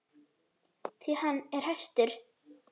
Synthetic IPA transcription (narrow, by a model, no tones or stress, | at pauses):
θʰvihanːɛɾ̥hɛst̪ʏɾ̥